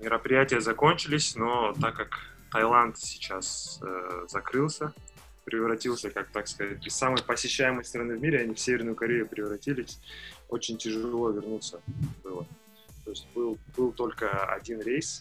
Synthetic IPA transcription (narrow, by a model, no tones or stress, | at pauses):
mʲɪɾəpɾʲɪjætʲɪjəzɐko̞nʲt͡ɕɪlʲɪsʲno̞t̪akːak | t̪ɐjlˠant̪sʲɪ̥t͡ɕas | zɐkɾɨlˠsʲə | pɾʲɪvɾɐtʲilˠsʲəkak̚t̪akskɐzat̚ʲɪsamɨjpəsʲɪɕːæjɪməjst̪ɾɐnɨvmʲiɾʲɪɐnʲifsʲevʲɪrnʊjʊkɐɾʲejʊpɾʲɪvɾɐtʲilʲɪsʲo̞t͡ɕɪnʲtʲɪʐɨllˠo̞vʲɪrnut̪səbɨlˠə | t̪o̞ɪsʲt̚ʲbɨlˠb̥ɨlˠt̪o̞lʲkəɐ̰dʲinɾʲejs